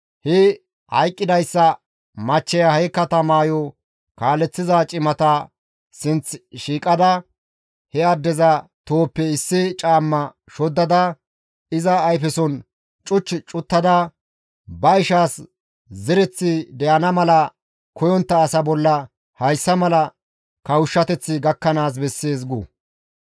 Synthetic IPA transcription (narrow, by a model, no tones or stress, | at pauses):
hɛ | hɐ̰jkʼːɪd̪ɐjsːɐ | mɐt͡ʃːɛjɐhɐjkːɐt̪ɐmaːjɔ | kaːlːɛt͡sːɪzat͡ʃʼɪmɐt̪ɐ | sɪnt͡sʃiːkʼɐd̪ɐ | hɛɐd̪ːɛzɐt̪oːpːɛɪsːɪt͡ʃʼaːmːɐ | ʃɔd̪ːɐd̪ɐ | ɪzɐːjfɛsɔn | t͡ʃʼʊt͡ʃːɪt͡ʃʼʊt̪ːɐd̪ɐ | bɐɪʃaːs | zɛɾɛt͡sːɪd̪ɛjɐnɐmɐlɐ | kɔjɔnt̪ːɐːsɐbɔlːɐ | hɐjsːɐmɐlɐ | kɐwʊʃːɐt̪ɛt͡sːɪɡɐkːɐnaːs̬bɛsːeːs̬ɡu